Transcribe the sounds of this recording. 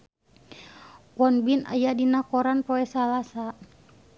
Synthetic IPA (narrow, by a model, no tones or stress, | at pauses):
kwɔnbina̰jadinakɔɾanpɔɛsalasa